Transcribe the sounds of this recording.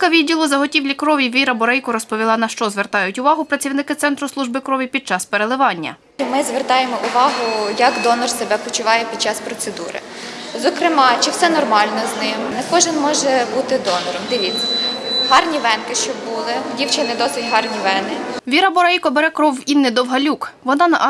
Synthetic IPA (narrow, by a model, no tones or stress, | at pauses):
kɐʋʲidʲilˠɔzɐɦɔtʲiwlʲikɾɔʋʲiʋʲiɾɐbɔɾɛjkɔɾɔspɔʋʲilˠɑnɐʃt͡ʃɔzʋert̪ɑjʊtʲʊʋɑɦʊpɾɐt͡sʲiwnɪkɪt̪sɛnt̪ɾʊslˠuʒbɪkɾɔʋʲipʲid̪̚t͡ʃɑspeɾelˠɪʋɑnʲːɐ̰ | mɪzʋert̪ɑjemɔʔʊʋɑɦʊjɐkd̪ɔnɔrsebɛpɔt͡ʃʊʋɑjɛpʲid̪̚t͡ʃɑspɾɔt̪sed̪ṵɾɪ̰ | zɔkɾɪmɑt͡ʃɪwsɛnɔrmɑlʲnɔznɪmnɐkɔʒɪnmɔʒɛbut̪ɪd̪ɔnɔɾɔmd̪ɪʋʲit͡sʲːɐ̥ɦɑrnʲiʋɛnkɪʃt͡ʃɔbulˠɪdʲiwt͡ʃɐnɛd̪ɔsʲɪtʲɦɑrnʲiʋɛnɪʋʲiɾɐbɔɾɛjkɔbeɾɛkɾɔwinːɪd̪ɔwɦɐlʲukʋɔnɑnɐʔ